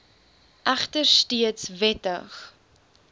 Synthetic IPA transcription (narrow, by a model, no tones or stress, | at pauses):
ʔæχtərstiətsvɛtə̰χ